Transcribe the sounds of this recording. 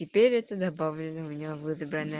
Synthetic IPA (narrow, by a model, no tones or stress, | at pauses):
ɪpʲeɾʲɛt̪əd̪ɐbavlʲɪnəʊmʲɪnʲɪavɨzəbɾənə